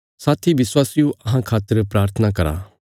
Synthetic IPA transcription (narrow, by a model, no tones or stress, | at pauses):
saːt̪ʰiʋɪswaːsijũɐɦãkʰaːt̪əɾpɾaːɾt̪ʰənakɐɾa̰ː